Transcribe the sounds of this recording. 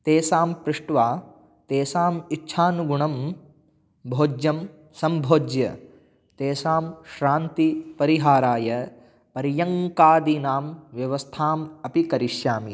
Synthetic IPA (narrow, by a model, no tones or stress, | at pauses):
t̪eːsaːmpɾɪʂʈʋaː | t̪eːsaːmitːʃʰaːnuɡuɳɐm | bʱoːd͡ʒjɐm | sɐmbʱoːd͡ʒjɐ̰ | t̪eːsaːmʃɾaːnt̪ipɐɾiɦaːɾaːjɐ | pɐɾjɐŋkaːd̪inaːmʋjɐʋɐst̪ʰaːmɐpikɐɾiʃjaːmi